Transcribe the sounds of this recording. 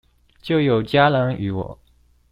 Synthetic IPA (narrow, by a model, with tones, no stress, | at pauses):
t͡ɕjo˥˩ʊjo˨˩ʊt͡ɕja˥lɑ˧˥ŋy̰˧˥wɔ̰˨˩˦